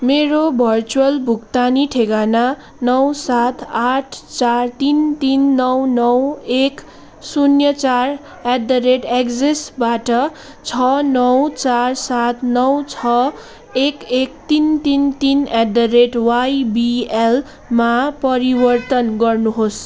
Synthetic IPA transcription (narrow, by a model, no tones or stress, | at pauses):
meɾobʱʌrt͡suwʌlbʱukt̪aniʈʰeɡana | nʌwsat̪ʰaʈʰt͡sart̪int̪inːʌwnʌwek | sunjʌt͡sar | ed̪ʌɾeʈeɡd͡zesbaʈʌ | t͡sʰʌnʌwt͡sarsat̪ʰnʌwt͡sʰʌ | ekek̚t̪int̪int̪inedʌreʈwajbiel | mapʌɾibʌrt̪ʌnɡʌrnuɦos